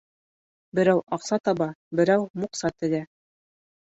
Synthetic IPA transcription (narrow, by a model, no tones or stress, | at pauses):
bɘ̆ɾæwʔɑqsɑt̪ɑβɑbɘ̆ɾæwmuqsɑt̪ɘ̆læ